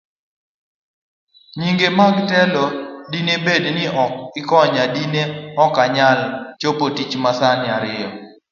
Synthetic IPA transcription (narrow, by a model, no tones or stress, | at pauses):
ɲiŋɡemaɡtɛlɔdinebednɪɔkɪkɔɲadineɔkaɲalt͡ʃopotit͡ʃmasanɪaɾɪjɔ